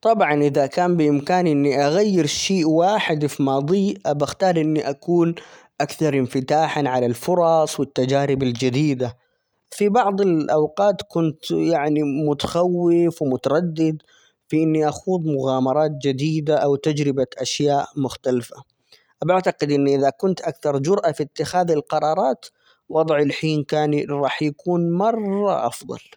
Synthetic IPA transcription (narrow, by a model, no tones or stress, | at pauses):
t̪ˤɑbʕɑnʔɪðakaːmbɪʔɪmkaːnʔɪnːiʔaɣajːɪɾʃiːʔwaːħɪd̪fimɑːd̪ˤiːʔabaxt̪ɑːɾˤʔɪnːiʔakuːn | ʔakθɑɾˤʔɪmfɪt̪aːħanʕalalfʊɾˤɑsˤwɪt̪ːad͡ʒaːɾɪbald͡ʒɪd̪iːd̪a | fibɑʕd̪ˤɪlʔawqɑːt̪kʊnt̪jaʕnimʊt̪ḁxawːɪfwɪmʊt̪ɑɾˤɑd̪ːɪd̪ | fiʔɪnːiʔaxuːðˤmʊɣaːmɑɾˤɑːt̪̚d͡ʒɪd̪iːd̪aʔawt̪ad͡ʒɾɪbaʔaʃjaːʔmʊxt̪alfa | ʔabaʕt̪aqɪd̪ʔɪnːʔɪðakʊnt̪ʔakθɑɾˤd͡ʒʊɾʔafit̪ːɪxaːðɪlqɑɾˤɑːɾˤɑːt̪ | wɑd̪ˤʕɪlħiːnkaːnɾˤɑːħjakuːnmɑrˤːɑ̰ʔɑfðˤɑ̰l